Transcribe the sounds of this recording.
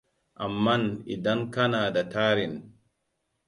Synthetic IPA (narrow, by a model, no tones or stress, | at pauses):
ʔamːanidankanaːdataːɾin